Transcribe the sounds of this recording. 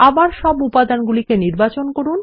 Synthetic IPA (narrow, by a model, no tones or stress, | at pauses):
abaɾʃɔbupad̪anɡulikeniɾbat͡ɕonkoɾun